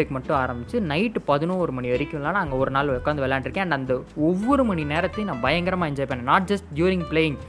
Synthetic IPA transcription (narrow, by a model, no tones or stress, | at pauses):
ɐɪkːɯmɐʈːʊ̃aːɾɐmbɪt͡ʃːɯnɐɪʈːpɐðɯnõːɔɾɯmɐɳiʋɐɾɪkːʊ̃laːnaːɐŋɡɐɔɾɯnaːlɔkːaːɐnd̪ɯʋɛlːɛːɳɖɪɾɯkːẽːɐɳɖɐnd̪ɐɔʋːɔɾɯmɐɳineːɾɐt̪ːɐ̃nãːbɐjɐŋɡɐɾɐmaːɛɲd͡ʒaːɪpːeːnːẽnaːʈ̚d͡ʒɐsʈɖjuːɾɪ̃ŋɡpleːjɪ̃ŋɡ